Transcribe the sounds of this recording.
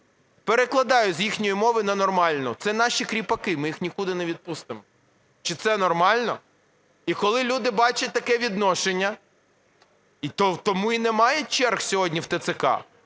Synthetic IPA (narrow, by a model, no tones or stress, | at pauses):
peɾeklˠɐd̪ɑjʊzʲjixnʲɔjimɔʋɪnɐnɔrmɑlʲnʊt̪sɛnɑʃʲikɾʲipɐkɪmɪjixnʲikud̪ɪneʋʲid̪̚pust̪ɪmɔ | t͡ʃɪt̪sɛnɔrmɑlʲnɔ | ikɔlˠɪlʲud̪ɪbɑt͡ʃɐt̚ʲt̪ɐkɛʋʲid̪nɔʃenʲːɐ | it̪ɔwt̪ɔmuinɛmɑjɛt͡ʃɛrxsʲɔɦɔdʲnʲiwt̪et̪sɪkɑ̰